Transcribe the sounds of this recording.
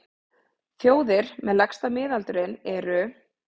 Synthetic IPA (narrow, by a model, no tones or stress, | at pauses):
θjoːwðɪɾ̥mɛðlakst̪amɪːðalt̪ʏɾɪnɛɾʏ